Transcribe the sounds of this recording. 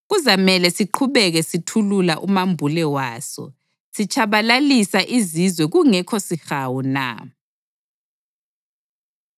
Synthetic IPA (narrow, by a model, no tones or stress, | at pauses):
ɣuzamɛlɛsiǃʰuβɛɣɛsitʰululaʔumambʱulɛwaːsɔ̰ | sit͡ʃʼʰaβalalisaʔizizwɛɣuŋɛkʰɔsixawuna̰